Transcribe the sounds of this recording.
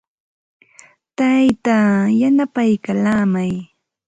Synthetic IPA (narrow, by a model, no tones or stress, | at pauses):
t̪ajt̪ajanapajkalaːmaj